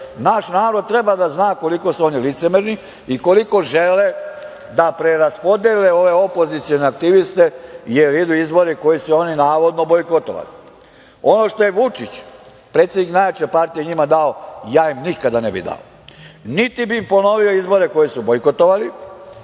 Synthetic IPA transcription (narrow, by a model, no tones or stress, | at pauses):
naʃnaːɾod̪̚t̪ɾe̞bad̪aznaːko̞liko̞suo̞nilit̪se̞meɾni | iko̞liko̞ʒele | d̪apɾeɾaspo̞d̪eleo̞ʋe̞opo̞zit̪sio̞neak̚t̪iʋist̪e̞jeɾid̪uizbo̞ɾeko̞jisuo̞ninaːʋo̞d̪nobojkot̪o̰ʋa̰li | o̞no̞ʃt̪o̞jeʋut͡ʃit͡ɕ | pɾet̪sjed̪niknajʋet͡ɕepaɾt̪ijeɲimad̪aojaːimnikad̪anebḭd̪a̰o | nit̪ibimpo̞no̞ʋio̞izbo̞ɾeko̞jisubojkot̪oʋali